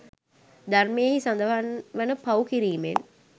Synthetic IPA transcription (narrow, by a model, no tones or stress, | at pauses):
d̪armejeɦisand̪aɦanʋənəpawkiɾiːmḛn